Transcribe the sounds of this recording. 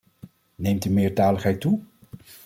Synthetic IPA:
nejmtymɪːɹtaːləχɦɛjtu

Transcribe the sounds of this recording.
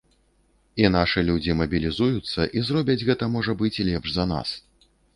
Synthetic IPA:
inaʂɨlʲud͡zʲimɐbʲilʲizujut̪sːɐʔizrɔbʲɐd͡zʲɣɛt̪ɐmɔʐɐbɨt͡sʲlʲɛpʂzɐna̰s

